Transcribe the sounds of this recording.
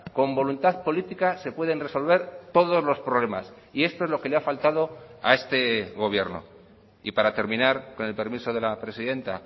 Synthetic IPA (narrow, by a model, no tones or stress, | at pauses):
ko̞mbo̞lunt̪aðpo̞lit̪ikase̞pwe̞ð̞e̞nre̞so̞lβe̞ɾt̪o̞ð̞o̞zlo̞spɾo̞βle̞mas | ie̞st̪o̞e̞zloke̞leafalt̪að̞o̞a̰e̞st̪e̞ɣ̞o̞β̞je̞ɾno̞̰ | ipaɾat̪e̞ɾmĩnaɾko̞ne̞lpe̞ɾmiso̞ð̞e̞lapɾe̞siðe̞nt̪a̰